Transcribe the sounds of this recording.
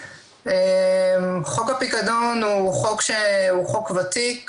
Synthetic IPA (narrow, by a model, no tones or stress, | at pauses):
emχokapikad̪onuχokʃeuχokvat̪ik